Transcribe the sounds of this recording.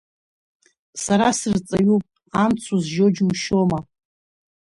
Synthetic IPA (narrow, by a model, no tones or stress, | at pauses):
saɾasɨrt͡sʼaɥupʼ | amt͡sʰuzʒo̞d͡ʒmʃoma